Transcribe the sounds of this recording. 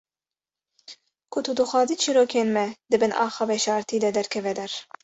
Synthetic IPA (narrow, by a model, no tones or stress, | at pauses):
kʰʊt̪ʰud̪uxʷɑːziːt͡ʃʰiɾoːkʰeːnmɛd̪ɨbɨnʔɑ̰ːxɑːbɛʃɑːɾt̪ʰiːd̪ɛd̪ɛɾkʰɛvɛd̪ɛɾ